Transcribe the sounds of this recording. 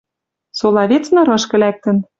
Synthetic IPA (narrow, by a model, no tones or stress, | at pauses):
solˠɑβet͡snɤ̆ɾɤ̆ʃkɘ̆læk̚t̪ə̆n